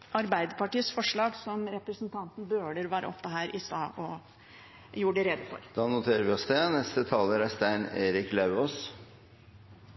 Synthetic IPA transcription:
ʔɑɾbæɪd̪əpɑʈiːəsfɔʂɭɑːɡsɔmɾɛpɾəsnt̪ʰɑnt̪n̩bøːɖəɾʋæːɾə̰ʔɔpːəɦæːɾʔɪst̪ɑːʔɔ | juːɖɛɾɛd̪əfɔ̰ɾd̪̥ɑːnʊt̪ʰeːɾəɾʋɪɔsd̪ɛnɛst̪ət̪ʰɑːləɾæst̪æɪneːɾɪklɑʉoːs

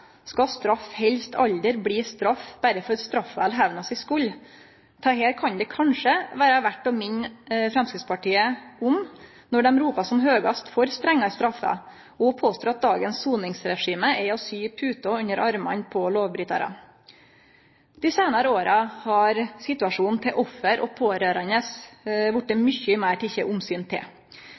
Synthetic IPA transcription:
skɑst̪ɾɑfhɛlst̪ʰɑld̪əɾbliːst̪ɾɑfb̥æɾəfɔɾst̪ɾɑfʋæ̰ːlɦæʋnɑsɪskʉlː | t̪ʰɑɦeːɾkʰɑnd̪ɛkʰɑnʂəʋæːɾəʋæʈːɔmɪnfɾɛmskɾɪt̪spɑʈiːəʊm | nɔɖɛmɾuːpɑsɔmɦøːɡɑst̪fɔɾst̪ɾɛŋːɑst̪ɾɑfːə̰ | ɔpʰoːst̪oːɾɑt̪̚d̪ɑːɡənsːuːnɪŋsɾɛʂiːməʔɛɔsyːpʰʉːt̪ɔʉnəɾɑɾmɑ̰npʰɔloːʋbɾʏt̪ɑ̰ɾɑ̰ | d̪̥ɪseːnɑɾəoːɾɑhɑɾsɪt̪ʉɑʂuːnn̩t̪ʰɪlʔɔfːəɾʔɔ̰pʰoːɾøːɾɑnəsʋʊʈ̚d̪ɛmʏçəmæːʈɪçːəʔʊmsyːnt̪ʰɪ̰l

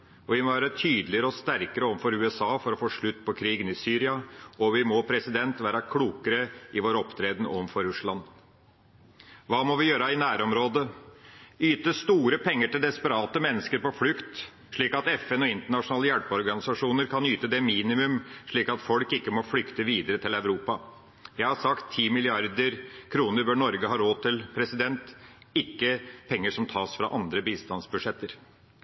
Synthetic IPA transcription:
ɔʋɪmɔʋæːɾət̪ʰyːd̪lɪəɾəɔst̪æɾkəɾəɔʋnfɔɾʉːɛsɑːfɔɾɔfoːʂɭʉt̪ːpʰɔkʰɾiːɡənɪsyːɾɪɑɔʋɪmɔpʰɾɛsɪd̪ɛnt̪ʋæːɾɑkʰluːkəɾəʔɪʋoːɾɔpt̪ʰɾeːd̪n̩ɔ̰ʋnfɔɾʉʂɭɑn | ʋɑːmɔʋɪjøːɾɑɪnæːɾɔmɾoːd̪ə | yːt̪əst̪uːɾəpʰɛŋːəʈɪld̪ɛspəɾɑːt̪əmɛnːəskəɾpɔflʉkt̪ | ʂɭiːkɑt̪ɛfɛnɔɪnt̪əɳɑʂʊnɑːləjælpɔɾɡɑnɪsɑʂuːnəɾkʰɑnyːt̪əd̪ɛmiːnɪmʉmʂɭiːkɑt̪fɔlkɪkːəmɔflʏkt̪əʋiːd̪əɾət̪ʰɪlæʉɾuːpɑ | jæɪhɑɾsɑkt̪ʰːiːmɪlɪɑɾd̪əɾkʰɾuːnəɾbøːɳɔɾɡəɦɑːɾoːt̪ʰɪlpʰɾɛsɪd̪ɛnt̪ɪkːəpʰɛŋːəʂɔmt̪ʰɑːsfɾɑ̰ʔɑnd̪ɾəbiːst̪ɑnsbʉʂɛt̪ːəɾ

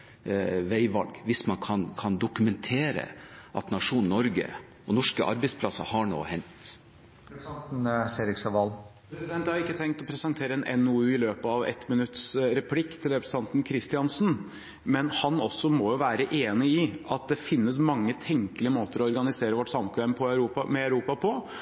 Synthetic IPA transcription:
ʋæɪʋɑ̰lɡʋɪsmɑnkʰɑnkʰɑnd̪ʊkʉmɛnt̪ʰeːɾə̰ʔɑ̰t̪nɑʂuːnnːɔɾɡə̰ | ɔnɔʂkəʔɑ̰ɾbɛɪspʰlɑsə̰hɑɳo̰ːhɛnt̪ | seːɾɪksɑʋɑlpɾɛsɪd̪ɛnt̪hɑɾɪkːət̪ʰɛŋk̚t̪ɔpʰɾɛsɑnt̪ʰeːɾəɛnʔɛnʉːʉːɪløːpəɑʋɛ̰t̪mənʉt̪sɾɛpʰlɪkːt̪ʰɪlɾɛpɾəst̪ɑnt̪n̩kʰɾɪst̪ɪɑnsn | mɛnhɑnɔsːɔmɔjʊʋæːɾəʔeːnɪɪʔɑt̪̚d̪ɛfɪnːəsmɑŋːət̪ʰɛŋkəlɪəmoːt̪əɾɔɔɾɡɑnɪseːɾəʋɔʈsɑmkʰʋɛmpʰɔœʉɾuːpɑmɛɑʉɾuːpɑpʰɔ

